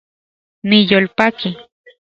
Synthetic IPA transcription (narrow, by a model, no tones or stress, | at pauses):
nijolpaki